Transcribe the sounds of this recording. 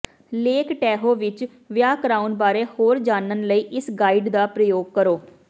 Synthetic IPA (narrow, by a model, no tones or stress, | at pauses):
leːkʈɛːɦoːʋɪt͡ʃ | ʋjaːkɾaːʊnbaːɾeːhoːɾd͡ʒaːnənləiːʔɪsɡaːiːɖd̪aːpɾəjoːɡ̚kəɾoː